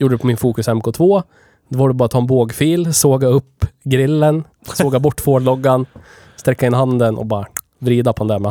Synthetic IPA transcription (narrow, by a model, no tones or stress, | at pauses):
juːɖəɖɛpʰɔmɪnfuːkɵsɛmkʰoːt̪ʰvoː | d̪̥ɛvaːɖɛbɑːɾat̪ʰɑːɛnboːɡfiːlsoːɡaɵpːɡɾɪlːən | soːɡabɔʈːfoːɭɔɡːan | st̪ɾɛkːaɪnːhɦand̪ənʔɔ̰bɑːɾa | vɾiːd̪apʰɔd̪ɛnd̪ɛɾmɛ